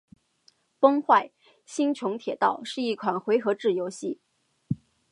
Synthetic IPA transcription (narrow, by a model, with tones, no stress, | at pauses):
pɤ˥ŋxwa˥˩ɪ | ɕi˥ŋt͡ɕʰjʊ˧˥ŋt̪ʰjɛ˨˩t̪ɑ˥˩ʊʂɻ̩˥˧i˥˩kʰwa˨˩nxwe˧˥ɪxɤ˧˥ʈ͡ʂɻ̩˥˩jo˧˥ʊɕi˥˩